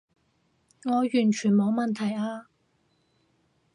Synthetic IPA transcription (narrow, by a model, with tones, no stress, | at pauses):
ŋɔː˨˧jyː˨˩nt͡ʃʰyː˨˩nmo˨˧wmɐ˨nt̪ʰɐ˨˩jaː˧